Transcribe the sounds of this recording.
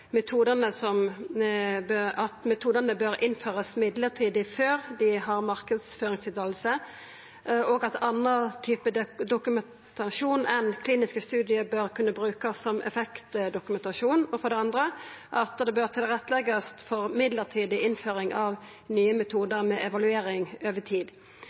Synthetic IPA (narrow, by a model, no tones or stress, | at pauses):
mɛt̪ʰuːd̪ənəsɔm | bɑt̪mɛt̪ʰuːd̪ənəbøɾʔɪnføːʁəsmɪd̪ləʁt̪ʰiːd̪ɪføːʁd̪ɪɦɑʁmɑʁkəd̪sføːʁɪŋst̪ʰɪlt̪ɑlsə | ɔɡɑt̪ʰɑnət̪ʰyːpəd̪d̪ʊkʉmɛn | t̪ʰɑʂuːnɛnkʰliːnɪskəst̪ʉːd̪ɪəbøʁkʰʉnːəbʁʉːkɑsːɔmɛ̰fɛkt̪d̪ʊkʉmɛnt̪ɑʂuːnɔfɔɾd̪ɛɑnd̪ɾəʔɑt̪d̪ɛbøʁt̪ʰɪlʁɛt̪ːəlɛɡəst̪fɔʁmɪd̪ləʁt̪ʰiːd̪ɪʔɪnføːʁɪŋʔɑʋ | nyːəmɛt̪ʰuːd̪əɾmɛʔɛʋɑlʉeːɾɪŋøːʋət̪ʰiːd̪